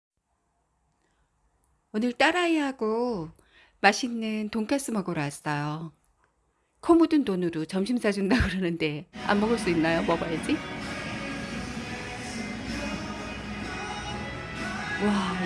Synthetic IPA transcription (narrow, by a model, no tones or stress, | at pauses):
onɯɭt͈aɾaiɦaɡo | maɕʰinːɯntoŋkʰas͈ɯmaɡɯɾoɦas͈ʌjo | kʰomudɯntonɯɾot͡ɕʌmɕʰimsʰad͡ʑundaɡɯɾʌnɯnde̞a̰mːʌɡʌɭs͈uinːajomʌbajd͡ʑi | wa